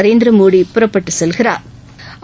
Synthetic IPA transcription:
ɾeːnd̪ɾɐmoːɽipʊɾɐpːɐʈːɯsɛlɣɪɾa̰ːɾ

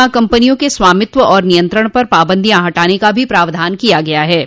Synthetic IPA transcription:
akɐ̃mpənijõkesʋaːmɪt̪ʋəʔɔːɾnijə̃nt̪ɾəɽ̃pɐɾpaːbə̃nd̪ʱiãɦɐʈaːnekabʱipɾaːʋd̪ʱaːnkijaɡɐjaɦɛː

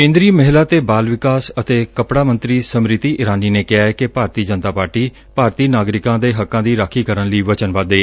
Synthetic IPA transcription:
kẽːnd̪ɾiːməɦɪlaːt̪eːbaːlʋɪkaːsət̪eːkəpɽaːmə̃nt̪ɾiːsəmɾɪt̪iːʔɪɾaːniːneːkɪaːɛːkɪpaːɾt̪iːd͡ʒənt̪aːpaːɾʈiː | paːɾt̪iːnaːɡɾɪkãːd̪eːɦəkːãːd̪iːɾaːkʰiːkəɾənləiːʋət͡ʃənʋad̪eː

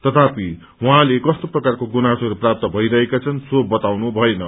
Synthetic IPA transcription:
t̪ʌt̪ʰapi | wuɦãlekʌst̪oprʌkarkoɡunasʌɾuprap̚t̪ʌbʱʌiɾʌɦekat͡sʰʌnsobʌt̪awnubʱʌenʌ

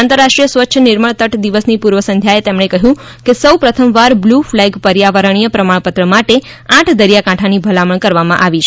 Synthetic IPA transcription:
ãnt̪əɾːaʃʈɾijəsʋətːʃʰənɪɾməɳt̪əʈd̪iʋəsnipuɾʋəsə̃nd̪ʱjaet̪emɳekəɦjũ | kesəwpɾət̪ʰəmʋaɾbluflɛɡpəɾjaʋəɾəɳ̃ijəpɾəmaɭpət̪ɾəmaʈe | ãʈʰd̪əɾjakãʈʰanibʱəlaməɳkəɾʋamãʔaʋit͡ʃʰ

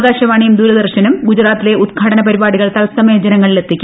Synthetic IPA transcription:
ɡaːɕɐʋaːɳijumd̪uːlɐd̪ɐrɕɐnumɡud͡ʑɾaːt̪ːile̞ʔud̪ɡʰʱaːʈɐnɐpɐɾibaːɽiɣɐɭt̪ɐlsɐmeːd͡ʑɐnɐŋːɐɭile̞t̪ʰːikʲːu

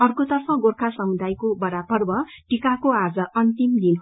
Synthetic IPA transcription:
ʌrkot̪ʌrpʰʌ̃ɡorkʰasʌmud̪ajkobʌɾabʌrbʌ | ʈikakoad͡zʌʔʌnt̪imd̪in

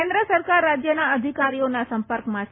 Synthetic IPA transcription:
end̪ɾəsəɾkaɾːad͡ʒjənaəd̪ʱikaɾionasəmpəɾkmã

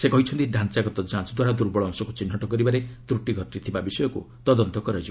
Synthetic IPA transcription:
sekɔɦit͡ʃʰɔnt̪iɖʱant͡ʃaɡɔt̪ɔd͡ʒãnsɔd̪waɾad̪uɾbɔɭɔŋsɔkut͡ʃinːɔʈɔkɔɾibaɾet̪ɾuʈiɡʱɔʈːit̪ʰibabisɔjɔkṵ | t̪ɔd̪ɔnt̪ɔkɔɾad͡ʒibɔ

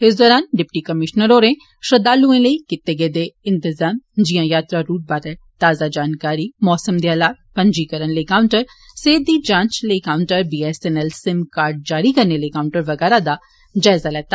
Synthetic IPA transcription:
ɦɪsd̪ɔːɾaːnɖɪpʈikɐmɪʃnəɾoːɾẽ | ʃɾɐd̪aːluẽlɐikɪt̪ːeɡed̪eɪ̃nt̪ɪzaːmd͡ʒijãjaːt̪ɾaɾuːʈ̚baːt̪ɛ | t̪aːzad͡ʒaːnkaːɾimɔːsəmd̪iaːlaːt̪̚pɐ̃ɲd͡ʒikɐɾənlekaːʊɳʈəɾ | seːd̪id͡ʒãːnt͡ʃlekaːʊɳʈəɾbiːesenɛlsɪmkaːɾɖ̚d͡ʒaːɾikɐɾnelekaːʊ̃ɳʈəɾʋɐɡɛːɾad̪a | d͡ʒaːɪzalɛːt̪a

